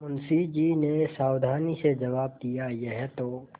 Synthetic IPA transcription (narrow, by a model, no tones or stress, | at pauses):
ʊnsid͡ʒinesaːwd̪ʱaːnised͡ʒɐʋaːb̚d̪ijajɛɦɛt̪oː